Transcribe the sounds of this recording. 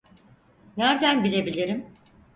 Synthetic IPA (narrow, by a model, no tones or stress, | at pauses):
næɾd̪ænbilʲe̞bilʲiɾim